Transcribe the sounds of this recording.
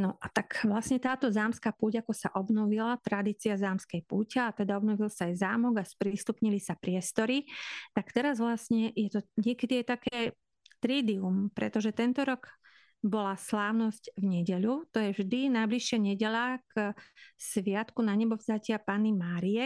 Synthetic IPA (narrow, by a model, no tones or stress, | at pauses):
nɔʔat̪akʋlasɲɛt̪aːt̪ɔzaːmskaːpuːɟakɔsaʔɔbnɔʋilat̪ɾad̪iːt͡siazaːmskɛjpuːcɛat̪ɛd̪aɔbnɔʋilsaːjzaːmɔɡaspɾiːst̪upɲilisapɾɪɛst̪ɔɾit̪akt̪ɛɾazʋlasɲɛjɛt̪ɔɲɪɛkɛd̪iajt̪akɛː | t̪ɾiːd̪iumpɾɛ̰t̪ɔʒɛt̪ɛnt̪ɔɾɔɡ | bɔlaslaːʊnɔscvɲɛɟɛʎut̪ɔjɛvʒd̪inajbliʃɪaɲɛɟɛʎak | sʋɪat̪kunaɲɛbɔvzacɪapaːnimaːɾiɛ